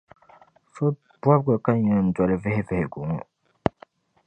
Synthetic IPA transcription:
so˦ | ba˦bɡa˨ka˦ɲɛ˨n̩˦dwa˨lɨ˦vɛ˦hɪ˦vɛ˨hɪ˨ɡu˨ŋɔ˨

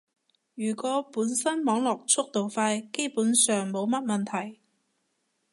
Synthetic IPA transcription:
jyː˨˩kɔː˨˥puː˨˥nsɐ˥nmɔː˨˥ŋlɔː˨k̚t͡sʰʊ˥k̚t̪o˨wfaː˧jke˥jpuː˨˥nsœː˨˩ŋmo˨˧wmɐ˥t̚mɐ˨˩nt̪ʰɐ˨˩j

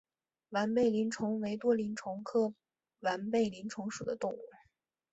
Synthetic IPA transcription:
wa˧˥npe˥˩ɪli˧˥nʈ͡ʂʰʊ˧˥ŋwe˧˥ɪt̪wɔ˥li˧˥nʈ͡ʂʰʊ˧˥ŋkʰɤ˥˩ | wa˧˥npe˥˩ɪli˧˥nʈ͡ʂʰʊ˧˥ŋʂu˨˩d̪ə˦t̪ʊ˥˧ŋu˥˩

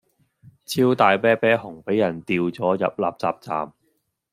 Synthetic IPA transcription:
t͡sʰiː˥wt̪aː˨˧jpɛː˥pɛː˥hʊ˨˩ŋpe˨˥jːɐ˨˩nt̪iː˧wt͡sɔː˨˥jɐ̰˨p̚la̰ː˨p̚t͡sa̰ː˨p̚t͡sa̰ː˨m

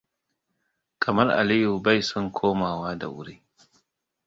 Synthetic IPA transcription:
kʰɐ˨mɐ˦rʔa̰˨liː˦ju˨ba˦˨jsɔ˦˨ŋkʷʰoː˦maː˨waː˦da̰˨wʊ̰˦ɽiː˦

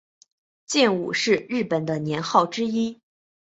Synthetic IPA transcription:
t͡ɕjɛ˥˩nṵ˨˩ʂɻ̩˥˧ɻɻ̩˥˩pə˨˩nd̪ə˦njɛ˧˥nxɑ˥˩ʊʈ͡ʂɻ̩˥i˥

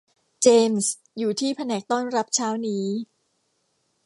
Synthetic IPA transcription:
t͡ɕeː˧ms | juː˨˩t̪ʰiː˥˩pʰa˧nɛː˨˩k̚t̪ɔː˥˩nɾa˦˥p̚t͡ɕʰaː˦˥wniː˦˥

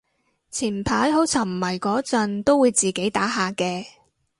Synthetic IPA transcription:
t͡sʰiː˨˩npʰaː˨˥jɦo˨˥wt͡sʰɐ˨˩ŋm̩˨˩mɐ˨˩jkɔː˨˥t͡sɐ˧nt̪o˥wuː˨˧jt͡siː˨ke˨˥jt̪aː˨˥ɦaː˨kɛː˧

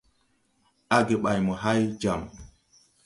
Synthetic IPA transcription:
a˦ɡe˨ɓa˨jmɔ˨ɦa˦jd͡ʒa˨m

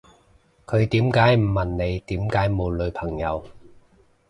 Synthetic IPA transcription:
kʰɵ˨˧ɥt̪iː˨˥mkaː˨˥jm̩ː˨˩ɐ˨˩nne˨˧jt̪iː˨˥mkaː˨˥jmo˨˧wlɵ˨˧ɥpʰɐ˨˩ŋjɐ˨˧w

